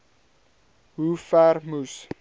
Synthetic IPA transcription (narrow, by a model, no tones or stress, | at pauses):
ɦufærmus